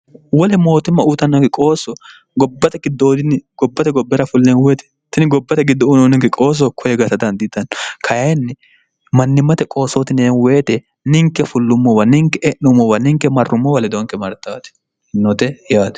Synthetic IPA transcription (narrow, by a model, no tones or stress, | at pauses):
wɔlɛmoːt̪ɪmːɐut̪ɐnːɐkɪkʼoːsɔ | ɡɔbːɐt̪ɛɡɪd̪oːd̪ɪnɪɡ̥ɔbːɐt̪ɛɡɔbːɛɾɐfʊlːenweːt̪ɛ̥ | t̪ːɪnɪɡɔbːɐt̪ɛɡɪd̪ːɔʊnɔnɪŋɡɪkʼo̞ːs̬ɔkʰɔjɛɡɐsɐd̪ɐnd̪ɪt̪ːɐnkʰɐjɐjnːɪ | mɐnːɪmːɐt̪ɛkʼo̞ːsoːt̪ɪnenweːt̪ɛ | nɪŋkːɛfʊlːʊmːɔwɐnɪŋkːɛʔɛʔʊmɔwɐnɪŋkːɛmɐrːʊmːɔwɐlɛd̪ɔŋkɛmɐɾt̪ːa̰ːt̪ɛ̥ | nːɔt̪ɛjaːt̪ɛ̥